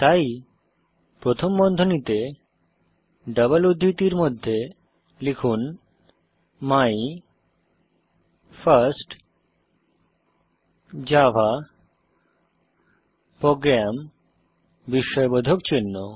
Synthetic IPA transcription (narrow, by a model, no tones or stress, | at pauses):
t̪aj | pɾot̪ʰombɔnd̪ʱonit̪e | ɖəβəlud̪ʱːit̪iɾmod̪ʱːe | likʰun | maj | faɾsʈ | d͡ʑabʱa | pɾoɡɾam | biʃːɔebod̪ʱokt͡ɕinːo